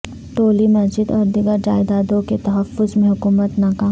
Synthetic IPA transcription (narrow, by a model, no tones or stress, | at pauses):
ʈoːlimɐd͡ʒɪd̪ɔɾd̪ɪɡəɾd͡ʒa̰ːɪd̪aːd̪õket̪ɐɦəfːʊzmẽɦʊkuːmət̪naːkaː